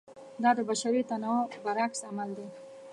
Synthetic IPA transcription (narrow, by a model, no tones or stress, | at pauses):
d̪ɑd̪əbaʃaɾit̪anobaɾaksamald̪e